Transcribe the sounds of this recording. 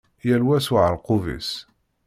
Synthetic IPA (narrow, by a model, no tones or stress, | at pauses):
jælwæsʊʕəɾqʊvḭs